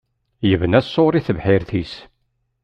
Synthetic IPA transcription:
jəvənæsːoɾiθəvħɪɾθis

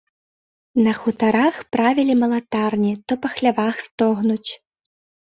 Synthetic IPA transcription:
nɐxut̪aɾaxpɾavʲilʲimɐlˠat̪arnʲit̪ɔpɐxlʲavaxst̪ɔɣnut͡sʲ

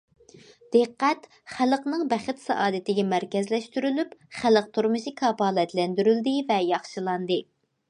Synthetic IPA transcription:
d̪̥ɨqːæt̪ | χælˠəqnɨŋbɛχɪt̪sɑ̰ʔɑːd̪ɨt̪ɪɡʲɛmæɾkʲɛzlɛʃt̪yɾylypχælˠəq̚t̪ʰuɾmɨʃikʰɑpɑːlˠɛt̪lɛnd̪yɾyld̪ɪvɛjɑχʃɨlˠɑnd̪ɨ

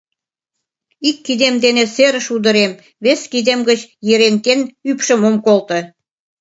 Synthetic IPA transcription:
ikːid̪emd̪enĕseɾə̆ʃud̪ə̆ɾem | βeskid̪emɡət͡ɕjeɾent̪enypʃə̆momkolt̪ə̆

